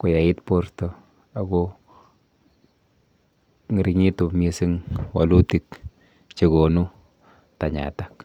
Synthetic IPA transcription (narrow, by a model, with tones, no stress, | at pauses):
kʊ˨ja˨ɪ˦tpo˦ɾtɔ˦ | a˨ɡo˦ | ŋi˨ɾi˨ɲi˦tu˨mi˦si˦ŋwa̰˨lu˦ti˨k | t͡ʃe˨ɡo˨nu˦ | ta˨ɲa̰˨ta˦k